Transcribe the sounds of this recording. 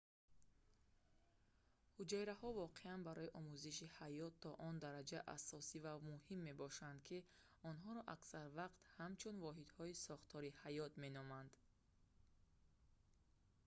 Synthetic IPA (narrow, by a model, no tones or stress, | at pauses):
hud͡ʒajɾahɔvɔqe̞anbaɾɔiʔɔmuziʃihajɔt̪ʰːɔʔɔnd̪aɾad͡ʒaʔa̰sɔsivamuhimːe̞bɔʃand̪kʰi | ɔnɦɔɾɔʔaksaɾvaqt̪hamt͡ʃʰunvɔɦid̪hɔisɔχt̪ʰɔɾihajɔt̪me̞nɔmand̪̥